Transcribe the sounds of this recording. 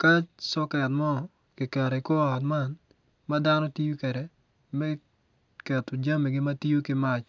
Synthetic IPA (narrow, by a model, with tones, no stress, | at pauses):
ka˦t͡ʃsɔ˦kɛ˨tmɔ˦˨ | kɪ˨ka˨ɾe˨ɪ˨kɔ˦a˨t̬ma˦n | ma˦da˦nɔ˦ti˦jo˦kɛ˨ɾɛ˨ | mɛ˦ | kɛ˨to˨d͡ʒa˦mɛ˨ɡɪ˦ma˦ti˦jo˦kɪ˦ma˦t͡ʃ